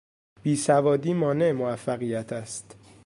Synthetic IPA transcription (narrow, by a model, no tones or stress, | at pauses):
b̥iːsævɒːd̪iːmɒːne̞emovæfːæɣijæt̪ʰæst̪